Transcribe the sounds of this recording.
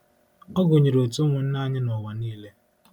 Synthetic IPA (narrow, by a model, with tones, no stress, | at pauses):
ɔ˦ɡʊ˨ɲe˨ɾo˨tʊ˦ŋʷʊ˨n̩˦na˦ɲɪ˦nɔ˨wa˨niː˦le˦